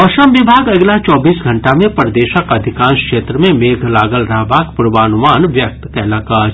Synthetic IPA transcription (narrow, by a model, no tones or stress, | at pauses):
ɔʃəmʋɪbʱaːɡɐɡlat͡ʃɔːbiːsɡʱɐ̃ɳʈamẽpəɾd̪eːʃəkɐd̪ʱɪkãːnʃkʃeːt̪ɾəmẽmeːɡʱlaːɡəlɾɐɦbʱaːkpʊɾʋaːnʊmaːnʋjək̚t̪kɛɦlaːkaːd͡ʒ